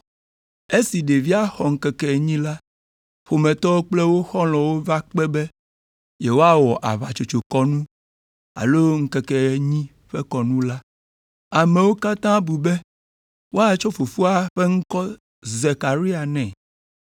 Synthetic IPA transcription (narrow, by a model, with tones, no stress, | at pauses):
e˦si˨ɖe˨vi˦a˦xɔ˨ŋ̩˦kɛ˦kɛ˨ɲĩ˦la˦ | ɸo˨mɛ̃˨t̪ɔ˦wo˦k͡plɛ˦wo˦xɔ˦l̃ɔ̃˨wo˦va˦k͡pɛ˦be˦ | je˨wo˦a˦wɔ˨ʔa˨βa˨t͡ʃo˨t͡ʃo˨kɔ˦nũ˦ | a̰˨lo˦ŋ̩˦kɛ˦kɛ˨ɲĩ˦ | ɸɛ˦kɔ˨nũ˦la˦ | a˨me˨wo˦ka˦t̪ã˦bu˨bɛ˦ | wo˦a˦t͡ʃɔ˦fo˨fu˦a˦ɸe˦ŋ̩˦kɔ˦ | ze˨ka˨ɾi˦a˨nɛ̃˨